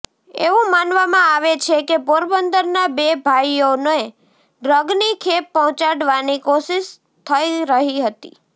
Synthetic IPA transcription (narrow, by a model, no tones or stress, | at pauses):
ḛʋũmanʋamãaʋet͡ʃʰekepoɾbənd̪əɾnabebʱajonoe | ɖɾəɡnikʰepːɔɦɔ̃t͡ʃaɽʋanikoʃiʃ | t̪ʰəiɾəɦiɦət̪ḭ